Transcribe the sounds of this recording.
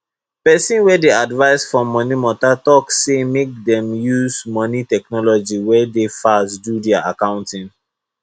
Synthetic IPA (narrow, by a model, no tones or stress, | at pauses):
pɛsĩnwɛdeadvaɪsfɹɔ̃mɔnimɔtatɔksemek̚dɛ̃mjuzmɔnitɛknɔlɔd͡ʒiwɛdefasdudɛaʔakãʊ̃ntĩn